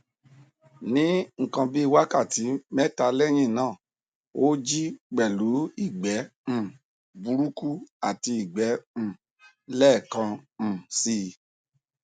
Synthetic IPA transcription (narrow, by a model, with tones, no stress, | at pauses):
nĩ˦ŋ̩˨kã˧bi˦i˦˧wa˦ka˦˨ti˨˦mɛ˦ta˧lɛ˦˨j̃ĩ˦˨nãː˦˨ | o˦d͡ʒi˦k͡pɛ˨lu˨˦i˦˨ɡ͡bɛ˨˦m̩̃˦˨ | bu˧ɾu˦ku˦a˨ti˧i˨ɡ͡bɛ̃˨˦˨ | lɛː˦˨kã˧˨si˧